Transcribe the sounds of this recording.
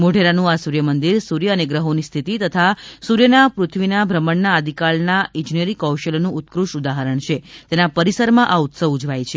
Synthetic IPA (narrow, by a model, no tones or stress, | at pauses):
moɖʱeɾanũasuɾjəmənd̪iɾsuɾjəːneɡɾəɦonist̪ʰit̪it̪ət̪ʰasuɾjənapɾut̪ʰʋinabʱɾəməɳnaəd̪ʱikaɭnaĩd͡ʒnijəɾikəwʃəlonũut̪kɾuʃud̪aɦəɾəɳt͡ʃʰet̪enapəɾisəɾmãʔaut̪səʋud͡ʒʋajt͡ʃʰe